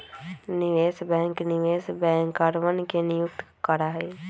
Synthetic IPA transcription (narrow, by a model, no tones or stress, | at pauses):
nɪʋeːsbɛ̃ːŋknɪʋeːsbɛ̃ːŋkəɾʋənkenɪjʊk̚t̪kəɾaːɦeː